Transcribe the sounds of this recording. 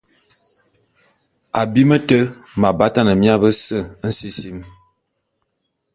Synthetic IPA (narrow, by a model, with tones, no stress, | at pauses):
a˨bi˦mə˦tə˦ma˨ba˨˦ta˦˨nə˨mja˦bə˦sə˦˨˦n̩˦si˦si˦m